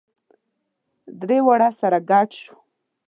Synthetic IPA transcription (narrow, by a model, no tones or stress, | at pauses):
d̪ɾewaɽasaɾaɡaʈʃu̥